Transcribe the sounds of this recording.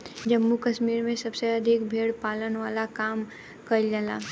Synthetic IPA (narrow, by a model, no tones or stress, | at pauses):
d͡ʒɐmːukɐʃmiːɾmẽsɐbseɐd̪ʱɪkbʱeːɽpaːlənʋaːlakaːm | kɐd͡ʒəla̰ː